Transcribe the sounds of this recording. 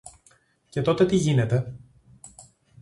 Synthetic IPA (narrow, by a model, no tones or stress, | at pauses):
ce̞t̪o̞t̪e̞t̪iʝine̞t̪e̞